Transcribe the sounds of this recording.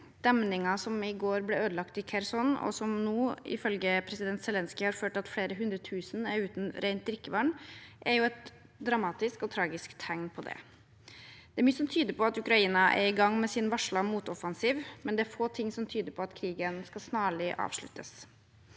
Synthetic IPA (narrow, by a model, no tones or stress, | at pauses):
d̪̥ɛmnɪŋɑsɔmɪɡoːɾblɛøːd̪əlɑkt̪ɪkʰɛɾsɔnɔ̰sɔmnuːɪ̰fœlɡəpʰɾɛsɪd̪ɛnt̪sɛlɛnskɪhɑɾføːʈɑt̪fleːɾəɦʉnd̪ɾət̪ʰʉːsən̩æɾʉːt̪n̩ɾæɪnt̪d̪ɾɪkːəʋɑɳʔæɾjʊɛt̪ | d̪ɾɑmɑːt̪ɪskɔt̪ʰɾɑːɡɪskt̪ʰæŋnpʰɔd̪ɛ̰ | d̪ɛæɾmyːəsɔmt̪ʰyːd̪əpʰɔɑt̪ʉkɾɑiːnɑʔæ̰ɾɪɡɑŋːmɛsɪnʋɑʂɭɑmuːt̪ɔfɑnsiːʋmɛnd̪ɛæɾfoːt̪ʰɪŋːsɔmt̪ʰyːd̪əɾpʰɔɑt̪kʰɾiːɡənskɑsnɑːɭɪʔɑ̰ːʋʂɭʉ̰t̪ʰːəs